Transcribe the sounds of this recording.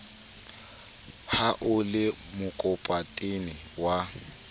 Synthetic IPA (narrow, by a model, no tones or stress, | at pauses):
haʔʊlɪ | mʊkʼʊpʼatʼɪnɪ | wa